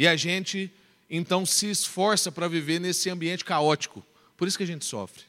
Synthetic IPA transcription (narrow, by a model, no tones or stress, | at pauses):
ɪɐʒẽt͡ʃɪ | ẽnt̪ɐ̃w̃sɪːsfɔɾsɐpɾɐviveɾnesɪɐ̃mbiẽnt͡ʃɪ̥kaɔt͡ʃi̥kʊ̰ | poɾisʊ̥kɪɐʒẽnt͡ʃɪ̥sɔ̰fɾɪ̥